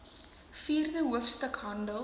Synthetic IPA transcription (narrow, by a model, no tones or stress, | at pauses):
fiːrdəɦuəfstəkɦɐndəl